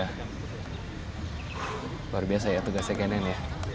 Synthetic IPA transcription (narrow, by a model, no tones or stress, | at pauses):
a | luarbias̬ajat̪uɡasɛkenɛnja